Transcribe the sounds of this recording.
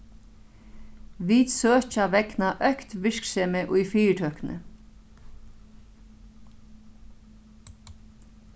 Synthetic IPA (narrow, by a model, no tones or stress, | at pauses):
ʋiːd̪søːt͡ʃaʋɛknaʔœhkt̪ʋɪɹksɛːməʔʊjfiːʈʰœːknə̰